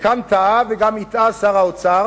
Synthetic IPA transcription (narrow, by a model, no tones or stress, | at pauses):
kʰamt̪aveɡamit̪asaʁaʊt͡sa